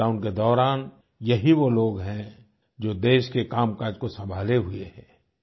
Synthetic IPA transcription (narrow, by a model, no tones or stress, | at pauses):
aʊnked̪ɔːɾaːn | jɐɦiʋoloːɡɦɛ̃ | d͡ʒoːd̪eːʃkekaːmkaːd͡ʒkosɐ̃mbʱaːleɦʊḛɦɛ̃ː